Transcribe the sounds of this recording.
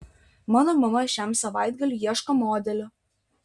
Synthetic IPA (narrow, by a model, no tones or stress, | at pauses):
mɑːnoːmɐmɐʃʲæˑmsɐʋɑˑɪd̪ɡɐlʲʊjiɛʃkɐmoːd̪ʲɛlʲʊ